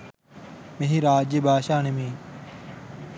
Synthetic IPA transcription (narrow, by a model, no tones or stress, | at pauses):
meɦiɾaːd͡ʒebʱaːʃaːnemĩː